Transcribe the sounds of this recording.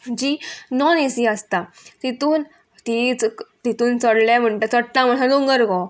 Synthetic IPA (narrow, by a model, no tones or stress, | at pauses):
d͡ʑiːnɔnesiəst̪a | t̪it̪uːn | t̪it͡st̪it̪uːnt͡səɽljam̤əɳʈat͡səʈːãm̤əsãlõŋɡəɾɡɔ